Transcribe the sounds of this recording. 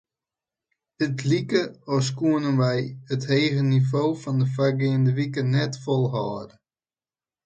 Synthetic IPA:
dətlikəɔskuənənʋɛjətheːɣənivoːfɔndəfarɡɪəndəʋikənɛtfɔlˠɦɔːdə

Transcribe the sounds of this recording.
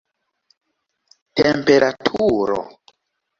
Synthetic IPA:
tempeɾʔatʰuɾo̰

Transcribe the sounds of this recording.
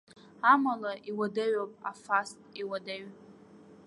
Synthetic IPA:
amalaʔiwadaɥapʼa̰fastʼiwadaɥ

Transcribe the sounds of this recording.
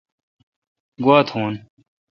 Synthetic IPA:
ɡwaːt̪ʰhuːn

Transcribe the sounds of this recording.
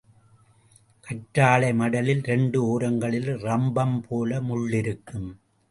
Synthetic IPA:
kʰɐʈɾaːɭɐɪmɐɽɐlɪlɾɛɳɖɯoːɾɐŋɡɐɭɪlrɐmbɐmpʰoːlɐmʊɭːɪɾɯkːɯm

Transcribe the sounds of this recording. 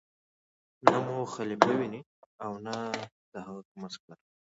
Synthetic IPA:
namuxalipəwini | awna | d̪̥əhaɣakumasklaɾ

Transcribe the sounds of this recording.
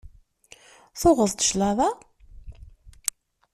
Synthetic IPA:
θʊʁəðt̪ə̥ʃlaða

